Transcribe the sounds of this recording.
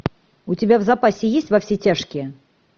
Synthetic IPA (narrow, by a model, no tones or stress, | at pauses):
ut͡sʲɪbʲavzapasʲɪjesʲtʲvɐfsʲit͡sʲaʂkʲɪ